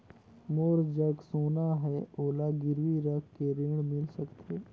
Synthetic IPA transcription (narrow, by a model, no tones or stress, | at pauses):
moːɾd͡ʒəɡsoːnaɦɛoːlaɡɪɾwiɾəkʰːeɾeːɽ̃mɪlsəkt̪eː